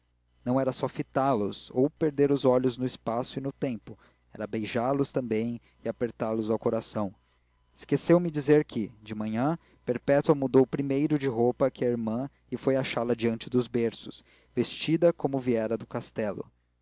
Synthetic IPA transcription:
nɐ̃w̃ɛɾɐsɔfit̪alʊzowpeɾd̪eɾʊzɔʎʊznʊɪspasʊɪnʊt̪ẽmpʊ | ɛɾɐbejʒaɾlʊst̪ɐ̃mbẽj̃ | ɪapeɾt̪aɾlʊzawkoɾasɐ̃w̃ | ɪskesewmɪd͡ʒizeɾkʰɪd͡ʒɪmɐ̃ɲɐ̃ | peɾpɛt̪uɐmud̪owpɾimejɾʊd͡ʒɪɦopɐkɪɐiɾmɐ̃ | ɪfojaʃalɐd͡ʒiɐ̃nt͡ʃɪd̪ʊzbeɾsʊs | vest͡ʃid̪ɐkõmʊviɛɾɐd̪ʊkast̪ɛlʊ̰

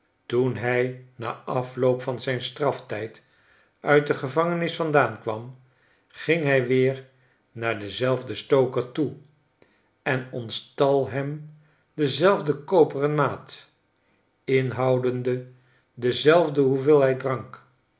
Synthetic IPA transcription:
tunɦɛjna̰ːʔɑflowpfɑnzɛjnstrɑftɛjt | ʔœɥt̚dəχəvɑŋənɪsfɑndaːnkʋɑm | χɪŋɦɛjʋɪːɹ | naːɹdəzɛlˠvdəstowkəɹtu | ɛnɔnstɑlˠɦɛm | dəzɛlˠvdəkowpərənmaːt | ɪnɦɑwdəndə | dəzɛlˠvdəɦuvɪlˠɦɛjt̚drɑŋk

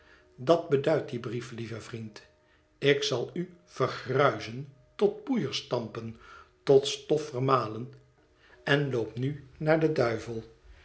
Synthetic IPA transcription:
dɑd̚bədœɥt̚dibriflivəvrint | ɪksɑlˠy | v̥ərχrœɥzən | tɔt̚bujəɹstɑmpəntɔtstɔfərmaːlən | ɛnlowpnynaːɹdədœɥvəlˠ

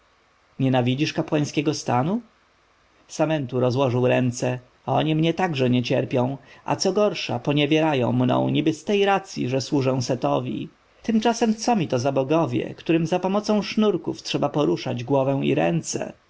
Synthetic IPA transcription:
ɲɛnavʲid͡ʑiʂkapwaj̃skʲɛɡɔst̪anu | samɛnt̪uɾɔzwɔʐɘwɾɛnt̪sɛ | ɔ̰ɲimɲɛt̪aɡʐɛɲɛt͡ɕɛɾpʲjɔ̃w̃a̰t̪sɔɡɔɾʂa̰pɔɲɛvʲjɛɾajɔ̰̃w̃mnɔ̰̃w̃ɲibɘst̪ɛjɾat̪sʲjḭʐɛswuʐɛw̃sɛt̪ɔvʲḭ | t̪ɘmt͡ʂasɛmt̪sɔmʲit̪ɔzabɔɡɔvʲjɛ̰kt̪uɾɘmzapɔmɔt̪sɔ̃w̃ʂnuɾkuftʂɛbapɔɾuʂad͡ʑɡwɔvɛ̃w̃ḭɾɛ̰nt̪sɛ̰

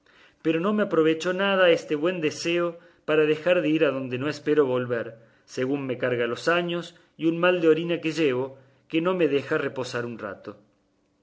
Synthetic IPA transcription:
peɾo̞no̞meapɾo̞β̞et͡ʃo̞nað̞aest̪e̞βwe̞nd̪eseo̞ | paɾaðe̞xaɾðeiɾaðond̪e̞no̞espeɾo̞βo̞lβeɾ | seɣunme̞kaɾɣalo̞saɲo̞s | iunmald̪eo̞ɾinakeʒeβ̞o̞ | keno̞me̞ð̞exarepo̞saɾunra̰t̪o

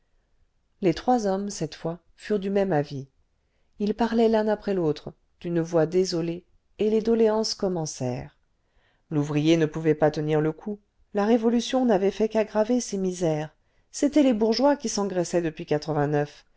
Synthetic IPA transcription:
let̪χwazɔmsɛt̪fwa | fyʁd̪ymɛmavi | ilpaʁlɛlɛ̃napχɛlot̪χ | d̪̥ynvwad̪ezɔle | eled̪ɔleɑ̃skɔmɑ̃sɛ̰ːʁ | luvʁijenəpuvɛpat̪əniʁləkʰu | laʁevɔlysjɔ̃navɛfɛkaɡʁavesemizɛːʁ | set̪ɛlebuʁʒwakʲisɑ̃ɡʁɛsɛd̪əpɥikat̪χəvɛ̃nœf

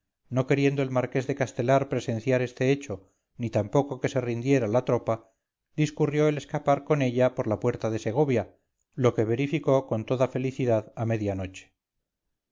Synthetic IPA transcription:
no̞ke̞ɾje̞nd̪o̞e̞lmaɾke̞zðe̞kast̪e̞laɾpɾe̞se̞nθjaɾe̞st̪e̞et͡ʃo̞ | nit̪ampo̞ko̞ke̞se̞rind̪je̞ɾalat̪ɾo̞pa | d̪iskurjo̞ele̞skapaɾko̞ne̞ʎapo̞ɾlapwe̞ɾt̪aðe̞se̞ɣ̞o̞βja | lo̞ke̞β̞e̞ɾifiko̞ko̞nt̪o̞ðafe̞liθiðaðame̞ðjano̞t͡ʃe̥

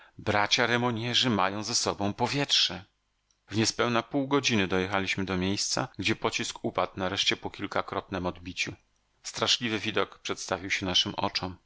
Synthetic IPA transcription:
bɾat͡ɕaɾɛmɔɲɛʐɘmajɔ̃w̃zɛsɔbɔ̃w̃pɔvʲjɛtʂɛ | vɲɛspɛwnapuwɡɔd͡ʑinɘd̪ɔjɛxalʲiɕmɘd̪ɔmʲjejst̪sa̰ɡd͡ʑɛpɔt͡ɕiskupat̪naɾɛʂt͡ɕɛpɔkʲilkakɾɔt̪nɛmɔd̪bʲit͡ɕu | st̪ɾaʂlʲivɘvʲid̪ɔkpʂɛt̪st̪avʲiwɕɛnaʂɘmʔɔ̰t͡ʂɔm

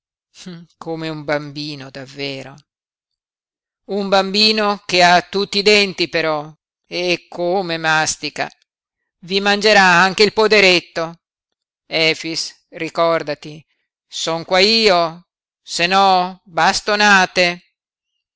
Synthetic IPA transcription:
kʰomeumbambiːnod̪avːeːɾo | umbambiːnok̟eat̪ːut̪ːid̪ɛnt̪ipeɾɔ | ekʰːomemast̪ika̰ | vimand͡ʒeɾaaŋk̟eilpod̪eɾet̪ːo | ɛːfis | rikɔrd̪at̪i | sɔŋkwaiːo | senɔbast̪onaːt̪e

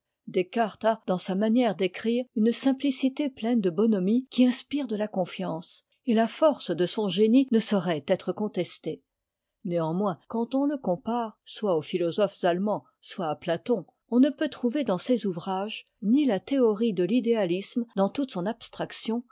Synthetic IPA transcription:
d̪ekaʁt̪ad̪ɑ̃samanjɛʁd̪ekχiːʁynsɛ̃plisit̪eplɛnd̪əbɔnɔmikʲiɛ̃spiʁd̪əlakɔ̃fjɑ̃ːs | elafɔʁsd̪əsɔ̃ʒeninəsɔʁɛt̪ɛt̪χəkɔ̃t̪ɛst̪e | neɑ̃mwɛ̃kɑ̃t̪ɔ̃ləkɔ̃paʁswaofilɔzɔfz̥almɑ̃ | swaːplat̪ɔ̃ | ɔ̃nəpøt̪χuved̪ɑ̃sezuvʁaʒ | nilat̪eɔʁid̪əlid̪ealismd̪ɑ̃t̪ut̪sɔ̃napst̪χaksjɔ̃

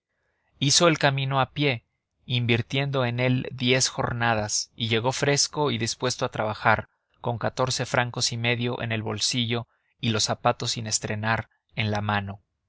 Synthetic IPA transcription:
iso̞e̞lkamĩno̞apje̞ | imbiɾt̪je̞nd̪o̞e̞ne̞ld̪je̞sxo̞̰ɾnað̞asiʝe̞ɣo̞fɾe̞sko̞iðispwe̞st̪oat̪ɾaβaxaɾ | ko̞ŋkat̪o̞ɾse̞fɾʔaŋko̞sime̞ðjo̞ʔḛne̞lβo̞lsiʝo̞ | ilo̞sapat̪o̞sine̞st̪ɾe̞naɾ | e̞nlamãno̞

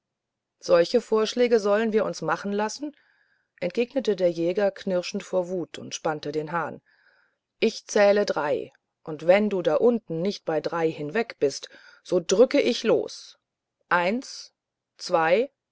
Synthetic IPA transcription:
z̥ɔlçəfoːɐʃlɛːɡəzɔlənviːɐʔʊnsmaχn̩lasn̩ | ʔɛntɡ̥eːɡnətədeːɐjɛːɡɐkʰnɪʁʃn̩tfoːɐvuːtʰʊ̰ntʃpantədeːnɦaːn | ʔɪçt͡sɛːlədʁaɪ | ʔʊntv̥ɛnduːdaːʔʊntn̩nɪçt̚b̥aɪdʁaɪhɪnvɛkb̥ɪst | z̥oːdʁʏkəʔɪçlo̰ːs | ʔaɪnt͡s | t͡sv̥aɪ

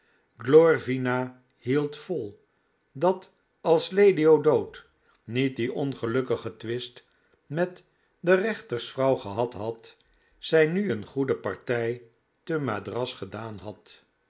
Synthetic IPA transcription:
ɡlɔrvina | hilˠtfɔlˠ | dɑt | ɑlˠslejdiodowt | nit̚diʔɔnχəlɵkəχətʋɪst | mɛt | dərɛχtəɹsfrɑwχəɦɑtɦɑt | zɛjnyənχudəpɑ̰ɹtɛj | təma̰drɑsχədaːnɦɑt

